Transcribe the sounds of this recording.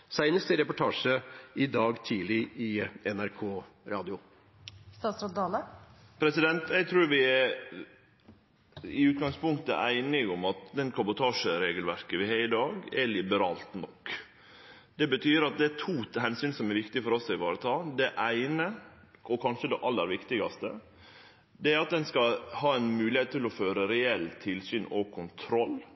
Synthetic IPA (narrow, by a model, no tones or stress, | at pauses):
sæɪnəst̪ɪɾɛpʊʈʰɑːʂəɪd̪ɑːɡt̪ʰiːlɪʔɪɛnæɾkʰoːɾɑːd̪ɪʊ | st̪ɑːt̪sɾɑt̪̚d̪ɑːlə | pʰɾɛsɪd̪ɛnt̪ɛɡ̚t̪ʰɾuːɾʋɪɛɾ | ɪʉːt̪̚ɡɑŋspʊŋkt̪ə̰ʔæ̰ɪnɪɡʊmɑt̪̚d̪ɛnkʰɑbʊt̪ʰɑːʂəɾeːɡəlʋæɾkəʋɪhæɾɪd̪ɑːɡɛlɪbəɾɑːlt̪nɔkː | d̪̥ɛbət̪ʰyːɾɑt̪̚d̪ɛæt̪ʰuːɦɛnsyːnsɔmɛɾʋɪkt̪ɪfɔɾɔsːɪɪʋɑːɾət̪ʰɑːd̪ɛʔæɪnə | ɔkʰɑnʂəd̪ɛʔɑlːəɾʋɪkt̪ɪɡɑst̪ə̰ | d̪ɛæɾɑt̪̚d̪ɛnskɑhɑːæɪnmʉːlɪheːt̪t̪ʰːɪlɔføːɾəɾɛɛlːt̪ʰɪlsyːnɔkʰʊnt̪ʰɾɔl